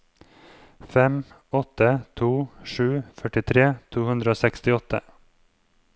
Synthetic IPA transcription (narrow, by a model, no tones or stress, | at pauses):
fɛm | ɔt̪ət̪ʰuːʃʉːfœʈɪt̪ʰɾeːt̪ʰuːhʉnd̪ɾəoːsɛkst̪ɪɔt̪ʰə̰